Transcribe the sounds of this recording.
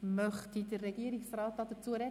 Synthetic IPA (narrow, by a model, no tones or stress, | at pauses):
mœχtidərːɛɡiəɾiksrɑːt̚ːɑd̪ət͡suəɾɛ